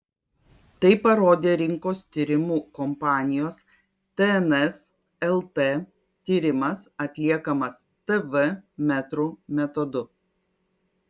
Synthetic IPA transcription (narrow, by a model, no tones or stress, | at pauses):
t̪ɐɪpɐɾoːd̪ʲeːɾʲɪŋkoːst̪ʲiːɾʲɪmuːkɔmpɑːnʲɪjoːs | t̪ɛɛnɛs | ɛlˠt̪e | t̪ʲiːɾʲɪmɐsɐt̪ʲlʲiɛkɐmɐs | t̪ɛʋɛmʲɛt̪ɾuːmʲɛt̪ɔd̪ʊ